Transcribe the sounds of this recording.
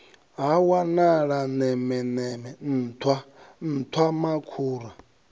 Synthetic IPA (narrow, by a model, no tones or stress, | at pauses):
ɦawanaɺanɛmɛnɛmɛn̩ːt̪ʰwan̩t̪ʰwamakʰuːɾa